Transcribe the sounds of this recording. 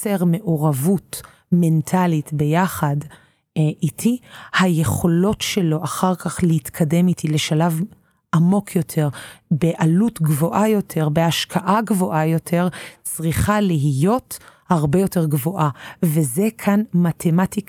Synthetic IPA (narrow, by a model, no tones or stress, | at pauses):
eʁme̞ʔoʁavut | me̞ntʰalitbe̞jaχad | ʔitʰihaje̞χo̞lo̞tʃe̞lo̞ʔaχaʁkaχlehitkʰade̞mitʰile̞ʃalav | ʔamo̞kʰjo̞tʰe̞ʁbeʔalutɡvo̞ʔajo̞tʰe̞ʁbe̞aʃkʰaʔaɡvo̞ʔajo̞tʰe̞ʁt͡sʁiχaliɦijo̞thaʁbe̞jo̞te̞ʁɡvo̞ʔaveze̞kʰanmatʰe̞matik